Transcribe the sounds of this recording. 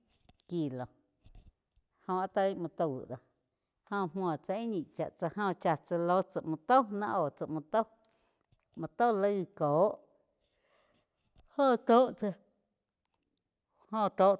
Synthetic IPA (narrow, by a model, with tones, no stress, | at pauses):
ki˧˨lo˨ | hõ˧a˧t̪a˧i˦mɔ̃˧t̪ə˧˨wɨ̰˨d̪o˧˨ | hõ˧mmɔ̃˨t͡sa˧i˦ɲĩ˧˨ʔt͡ʃa̰˨ʔt͡sa˧hõ˧t͡ʃa˧t͡sə˧lo˦t͡sə˨mũ˧t̪o˦nã˦ʔoː˨t͡sa˨mõ˧t̪o˦w | mɔ̃˧t̪o˦˨lə˧˦˧koː˨˦ʔ | ho˦˨t̪o˦ʔt͡sa˧ | hõ˧t̪oː˦ʔ